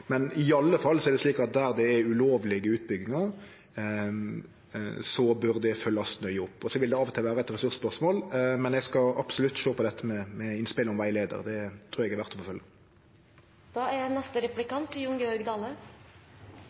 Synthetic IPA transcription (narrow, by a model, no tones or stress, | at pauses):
mɛnɪɑlːəfɑlːsɔæɾd̪ɛsliːkɑt̪̚d̪æɾd̪ɛːʉloːʋlɪɡəʉːt̪̚bʏɡːɪŋɑ | sɔbʉɾd̪ɛfœlːɑsnœʏʊpːɔsɔʋɪld̪ɛɑːʋɔt̪ʰɪlʋæːɾəɛt̪ɾɛsʉɾspœʁʂmoːlmɛnɛɡskɑɑpsʊlʉt̪ːʃoːpʰɔd̪ɛt̪ʰːəmɛmɛɪnspɪlɪŋŋʋæɪleːd̪ə̰ʁd̪ɛt̪ʰɾʉːɾɛɡɛæɾʋæʁt̪ɔfɔfœlːə | d̪̥ɑːæɾjænɛst̪əɾɛplɪkɑnt̪ʰːɪjʊŋɡəɔɾɡd̪ɑːlə